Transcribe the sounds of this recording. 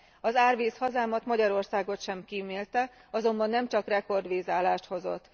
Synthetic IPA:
ɒzaːrʋeːshɒzaːmɒt̪mɒɟɒɾo̞rsaːɡo̞t̪ʃɛmkiːmeːlt̪ɛɒzo̞mbɒnːɛmt͡ʃɒkrɛko̞rd̪ʋeːzaːlːaːʃt̪ho̞zo̞̰t̪ː

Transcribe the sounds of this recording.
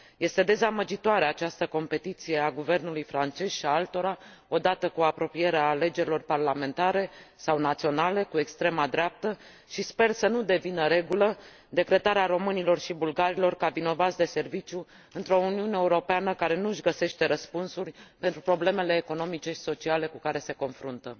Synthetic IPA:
je̞st̪e̞d̪e̞zaməd͡ʒit̪oaɾeat͡ʃast̪əko̞mpe̞t̪it̪sije̞aɡuve̞rnulujfɾant͡ʃe̞zʃiaalt̪o̞ɾa | o̞d̪at̪əkuapɾo̞pije̞ɾeaːle̞d͡ʒe̞ɾilo̞rparlame̞nt̪aɾe̞sawnat̪sio̞nale̞kue̞kst̪ɾe̞mad̪ɾeap̚t̪ə | ʃispe̞rsənud̪e̞vinəɾe̞ɡulə | d̪e̞kɾe̞t̪aɾeaɾo̞mɨnilo̞rʃibulɡaɾilo̞rkavino̞vatsd̪e̞se̞rvit͡ʃʲju | ɨnt̪ɾo̞uniune̞euɾo̞peanəkaɾe̞nuɨʒɡəse̞ʃt̪e̞ɾəspunsurʲpe̞nt̪ɾupɾo̞ble̞me̞le̞ːko̞no̞mit͡ʃe̞ʃi̥so̞t͡ʃiale̞kukaɾe̞se̞ko̞nfɾunt̪ə

